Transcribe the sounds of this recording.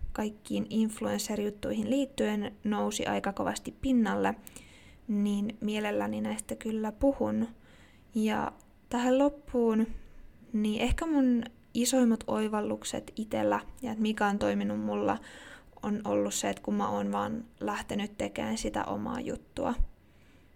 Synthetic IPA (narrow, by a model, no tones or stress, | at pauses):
kɑikːiːninfluenserjut̪ːuihinliːt̪ːyennousḭʔɑ̰ikɑkoʋɑ̰st̪ippinːɑlːe | niːnmielelːæninæist̪ːækylːæpuhun | jɑ̰ | t̪æhellopːuːn | niʔehkæmun | isoimːɑt̪oiʋɑlːuksḛt̪it̪ḛlːæjɑet̪mikæont̪oiminummulːɑ̰ | ʔono̰lːusseet̪kumːɑoːnʋɑːnlæht̪enyt̪t̪ekḛːnsit̪æ̰ʔo̞̰mɑ̰ːjṵt̪ːuɑ̰